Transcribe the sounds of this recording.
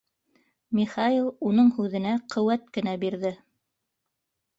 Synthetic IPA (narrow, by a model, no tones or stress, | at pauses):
miχɑilˠunɤɴhʉðɘ̆næqɵ̆wæt̪kɘ̆næbiɾðɘ